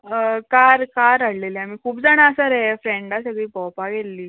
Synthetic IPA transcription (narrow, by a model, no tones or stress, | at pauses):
kaɾkaɾaɽleljamiːkʰuːp̚d͡zaɽ̃aəsaɾɛfɾeɳɖasəɡɭiːpɔpaɡelːiː